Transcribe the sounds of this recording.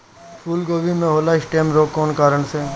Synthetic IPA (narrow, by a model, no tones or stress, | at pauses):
pʰuːlɡoːʋʱimẽɦoːlaɪsʈeːmɾoːkːɔːnkaːɾəɳse